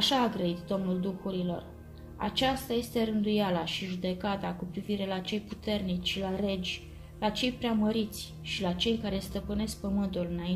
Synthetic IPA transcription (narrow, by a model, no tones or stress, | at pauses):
aʃaːɡɾəit̪d̪o̞mnuld̪uxuɾilo̞̰r | a̰t͡ʃast̪aje̞st̪e̞ɾɨnd̪ujalaʃiʒud̪e̞kat̪akupɾiviɾe̞lat͡ʃe̞jput̪e̞rnit͡ʃʃilaɾe̞d͡ʒʲ | lat͡ʃe̞jpɾeaməɾit̪sʲ | ʃilat͡ʃe̞jkaɾe̞st̪əpɨne̞sk̚pəmɨnt̪ulɨnai